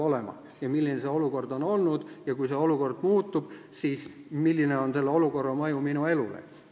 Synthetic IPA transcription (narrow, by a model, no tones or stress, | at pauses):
o̞lemɑ̰ | jɑmilːinese̞o̞luko̞rd̪̥o̞no̞lnud̪̥jɑkujseo̞luko̞rd̪̥muːt̪ːˑub̥ | siːsmilːine̞o̞nse̞lːeo̞luko̞rːɑmɤjuminue̞lṵlḛ